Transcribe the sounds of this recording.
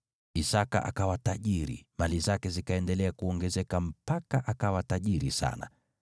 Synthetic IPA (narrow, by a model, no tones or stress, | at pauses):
isaka̰ʔa̰kawataʄiɾḭmalizakɛzikaɛndɛlɛakuɔŋɡɛzɛkam̩pakaʔakawataʄiɾisa̰na̰